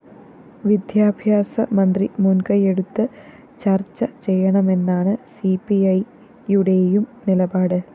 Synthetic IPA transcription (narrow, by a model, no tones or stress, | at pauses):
ʋid̪jaːbʱjaːsɐmɐnd̪rimunkɐje̞ɽut̪ːɨ | t͡ɕɐrt͡ɕːɐt͡ɕe̞jːɐɳɐme̞nːaːɳɨsipːiɐj | uɽe̞jumnilɐbaːɽɨ